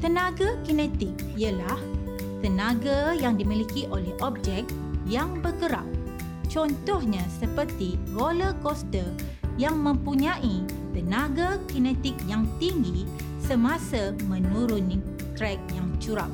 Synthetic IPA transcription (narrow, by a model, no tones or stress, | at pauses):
t̪ənaɡakinɛ̃t̪ik̚ | iəlah | t̪ənãɡajaŋdimilikiʔolɛhʔɔp̚d͡ʒɛk̚t̪̚ | jaŋbərɡəɾa̰p̚ | t͡ʃɔnt̪ɔhɲãsəpərt̪iroləkɔst̪ə | jaŋmə̃mpuɲãʔi | t̪ənaɡakinɛ̃t̪ɪk̚jaŋt̪iŋɡi | səmãsamə̃nuɾuni | t̪ɾɛk̚jaŋt͡ʃuɾa̰p̚